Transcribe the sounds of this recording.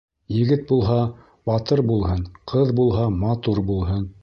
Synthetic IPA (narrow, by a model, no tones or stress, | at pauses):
jɘ̆ɡɘt̪̚bulˠɦɑ | bɑt̪ɤɾbulˠɦɤnqʰɤðbulˠɦɑmɑt̪uɾbulˠɦɤn